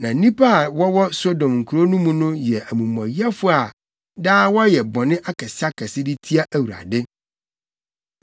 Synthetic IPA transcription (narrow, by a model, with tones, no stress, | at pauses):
nã˨˦nĩ˦pa˦˨wɔ˦wɔ˦so˦dɔ̃˨mŋ̩˨kʰu˨ɾo˦nũ˦mũ˦nʊ̃˦jɛ˨ʔæ˨mũ˨m˨ã˨ji˦a˦fʊ˦a˨ | daː˦wɔ˦jɛ˨bɔ̃˨nɪ̃˦ʔa˦kɛ˨sɪ˦a˦kʰɛ˨sɪ˦dɪ˦tʰi˦a˦ʔæ˦wu˨a̰˨dɪ˦